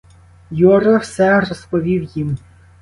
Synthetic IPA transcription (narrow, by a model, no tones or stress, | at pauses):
jɔɾɔwsɛrɔspɔʋʲiwjim